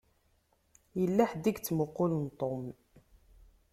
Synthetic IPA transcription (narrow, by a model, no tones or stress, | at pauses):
jəlːaħd̪iɡt͡sːmʊqːʊlnt̪ˤom